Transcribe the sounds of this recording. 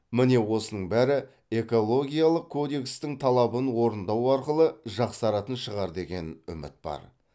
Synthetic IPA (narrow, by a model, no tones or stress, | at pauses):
mɪne̞wo̞sənəɴbæɾɪ | e̞ko̞lˠo̞ɡʲijalˠəq̚kʰːo̞d̪e̞kst̪ɪŋt̪ʰɑlˠɑbənwo̞ɾənd̪ɑwɑɾqəlˠəʒɑqsɑɾɑt̪ənʃəʁɑɾd̪e̞ɡʲe̞nʏ̰mɪ̰t̪̚b̥ɑ̰ɾ